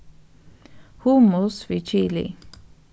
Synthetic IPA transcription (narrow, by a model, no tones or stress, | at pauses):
humʊsfit͡ʃilḭ